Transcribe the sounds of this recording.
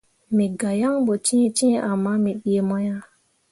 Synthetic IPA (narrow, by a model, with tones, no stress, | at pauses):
mi˨ɡa˨ja˦ŋɓo˨t͡ʃĩ˦e˦t͡ʃĩ˦ʔa˨mːa˦mi˨ɓi˦e˨ma˦ja˦